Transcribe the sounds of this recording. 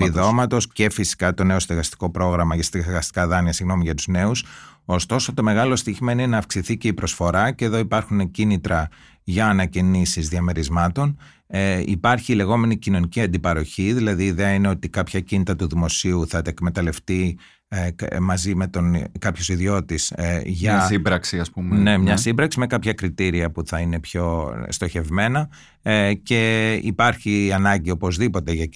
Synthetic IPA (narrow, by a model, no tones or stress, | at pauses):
piðo̞mɐt̪o̞sce̞fisi̥kɐt̪o̞ne̞o̞sinðeɣɐst̪i̥ko̞pɾo̞ɣɾɐmɐʝɐsɣɐst̪i̥kɐðɐniɐsiɣno̞miʝɐt̪uzne̞uso̞st̪o̞so̞t̪o̞me̞ɣɐlo̞st̪içmeinoieenɐːfksiθice̞ipɾo̞sfo̞ɾɐceðo̞ipɐɾxunecinit̪ɾɐ | ʝɐːnɐcinisizðiɐme̞ɾizmɐt̪o̞n | ḭpɐɾçile̞ɣo̞me̞nicino̞niciɐnd̪ipɐɾo̞çiðilɐðiːðeɐineo̞t̪ikɐpçɐcinit̪ɾɐt̪uðimo̞siuθɐt̪ɐekme̞t̪ɐle̞ft̪i | mɐzime̞t̪o̞nkɐpçosiðijo̞t̪isʝɐsibɾɐksiɐspumenne̞mɲɐsimbɾɐksime̞kɐpçɐkɾit̪iɾiɐpuθɐine̞pço̞st̪o̞çe̞vme̞nɐ | ce̞ipɐɾçiɐnɐɲɟio̞po̞zðipo̞t̪e̞ʝɐ